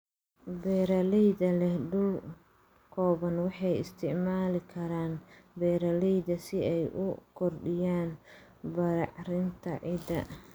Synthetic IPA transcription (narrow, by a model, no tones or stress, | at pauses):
bɛːɾɐlɛjðɐlɛhɖʊl | kʰɔːβɐnwɑħɑjɪ̰st̪ʰɪʕmaːlɪkʰɐɾaːnbɛːɾɐlɛjðɐsɪɛjʔʊkʰɔrɖɪjaːn | bɐɾɑ̰ʕrɪnt̪ʰɐʕɪd̪ɐ̰